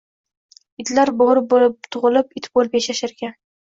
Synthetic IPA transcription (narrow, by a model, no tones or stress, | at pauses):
ɪt̪laɾboɾɪp̚bolɪp̚t̪ʰʊʁɨlɪpɪt̪ʰbolˠɪpjaʃaʃaɾɡʲan